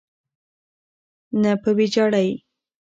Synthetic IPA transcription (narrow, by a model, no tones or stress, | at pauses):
napəwid͡ʒɑɽaj